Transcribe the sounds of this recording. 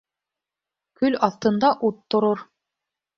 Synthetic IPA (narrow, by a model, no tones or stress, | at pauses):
kɵlɑθt̪ɤ̆nd̪ɑʔut̪ːŏɾoɾ